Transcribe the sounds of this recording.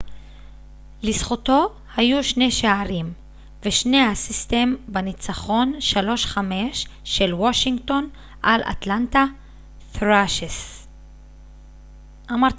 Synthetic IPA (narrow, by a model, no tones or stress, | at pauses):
lisχuto̞ | hajuʃne̞ʃeaʁim | veʃne̞hasist̪e̞mbenit͡saχo̞nʃalo̞ʃχame̞ʃːe̞lwoʃiŋɡto̞n | ʔalʔa̰t̪lant̪a | θʁaʃes | ʔamaʁt